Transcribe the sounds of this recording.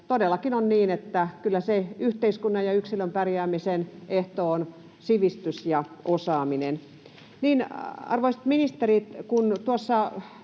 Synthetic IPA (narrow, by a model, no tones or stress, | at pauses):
t̪odelːˑɑkinonniːnet̪ːækylːæseyht̪eiskunːɑjɑyksilømpærjæːmiseneht̪oon | siʋist̪ysjɑʔosɑːminen | niːnɑ̰rʋoisɑ̥t̪minist̪erit̪kunt̪uosːɑ